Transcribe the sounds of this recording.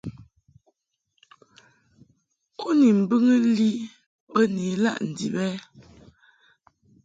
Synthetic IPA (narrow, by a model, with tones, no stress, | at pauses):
kʰo˦ni˨m̩˨bɨ˦ŋə˦li˦ | bə˦ne˨˦la̰˦˨ʔn̩˨dḭ˨bɛ˦